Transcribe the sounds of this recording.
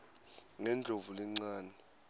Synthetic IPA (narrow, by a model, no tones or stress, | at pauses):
ŋɛnd͡ɮʱovulɛŋ͡ǀaːnɛ